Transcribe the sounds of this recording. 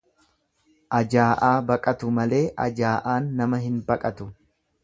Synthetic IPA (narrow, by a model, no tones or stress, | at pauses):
ʔɐd͡ʒaːʔaːbɐkʼɐt̪ʊmɐle̞ːʔɐ̰d͡ʒaːʔaːnːɐmɐɦɪnbɐkʼɐt̪ʊ